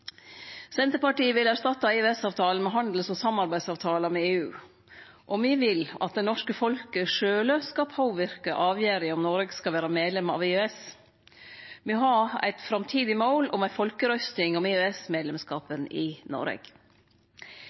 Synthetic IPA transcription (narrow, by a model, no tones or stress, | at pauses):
sɛnt̪əɾpɑʈiːəʋɪlæʂt̪ɑt̪ːɑɛøːɛsɑːʋt̪ʰɑːlənmɛɦɑnd̪l̩sɔsɑmɑɾbæɪsɑːʋt̪ʰɑːlɑmɛeːʉː | ʔɔmʋiʋɪlɑ̰t̪̚d̪ɛnɔʂkəfɔlkəʂøːləskɑpʰoːʋɪɾkəʔɑːʋjæːɾɪɔmnɔɾəɡskɑʋæːɾɑmeːd̪lɛmɑ̰ʋeøɛs | ʋɪɦɑæ̰ɪt̪fɾɑmt̪ʰiːd̪ɪmoːlɔmæɪfɔlkəɾœst̪ɪŋɔmeøɛsmeːd̪lɛmskɑːpənɪ̰nɔ̰ɾɛ̰ɡ̥